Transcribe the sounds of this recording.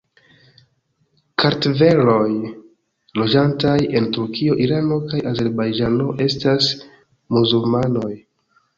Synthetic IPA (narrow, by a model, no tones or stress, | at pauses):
kʰaɾtve̞ɾo̞j | lo̞d͡ʒantaje̞ntuɾkʰio̞ʔiɾano̞kajʔaze̞ɾbajd͡ʒano̞ʔe̞stas | muzulmano̞j